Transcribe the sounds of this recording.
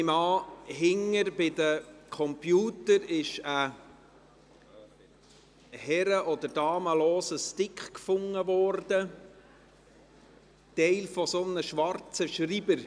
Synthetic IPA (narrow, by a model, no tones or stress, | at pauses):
mɑːɦɪŋːəɾbɪdəkʰɔmpjuːt̪əɾɪʃə | hɛɾəʔɔd̪əɾd̥ɑːməlɔːsəstɪkχkfʊŋːəvɔɾd̥ə | tɛɪlfɔsonəʃʋɑɾt͡səʃribəɾ